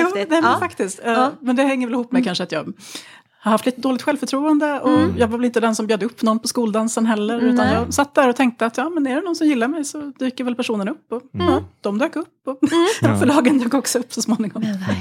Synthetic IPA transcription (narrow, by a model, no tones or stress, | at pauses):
juːnɛːmɛnfakt̪ɪskt̪ɛmɛnd̪ɛhɛŋːəɾvɛlɪhuːpːmɛjkʰanʂəat̪jɑ̰ːɡ | haɾhaft̪liːt̪əd̪oːlɪkt̪ɧɛlvfœʈʰɾuːənd̪əɔjɑːɡvaɾvɛlɪnt̪əd̪ɛnsɔmbjøːd̪əɵpːnɔnːpʰɔskuːld̪ansənɦɛlːəɾʉ̟ːannjɑːsat̪ːd̪æɾɔt̪ʰɛŋk̚t̪əat̪jɑːmɛnɛɖɛnɔnsɔmjɪlːaɾmɛjsɔd̪̥yːkəɾvɛlpʰæʂuːnənɵpːɔd̪̥ɔmd̪øːkɵpːɔfœɭɑːɡənjøːkɔksɔɵpːsɔsmoːnɪŋɔm